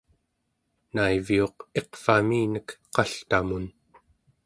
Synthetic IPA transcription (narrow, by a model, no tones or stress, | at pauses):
naivio̞qe̞qfamiːnəkqɑɬt̪amun